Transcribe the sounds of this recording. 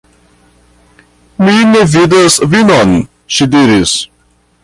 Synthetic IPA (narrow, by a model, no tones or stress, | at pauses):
minevid̪asvinɔn | ʃid̪iɾis